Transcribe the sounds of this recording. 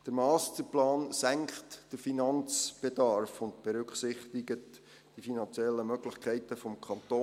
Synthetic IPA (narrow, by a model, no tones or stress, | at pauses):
d̥əɾmɑːstəplɑːnsæŋkχtd̥əɾfinɑnt͡sb̥edɑɾfʊntb̥ɛɾʏkχsɪχt̪ɪɡət | d̥ifinɑnt͡sjɛlːəmœɡlɪχkʰɛɪtəfɔmkʰɑnt̪oː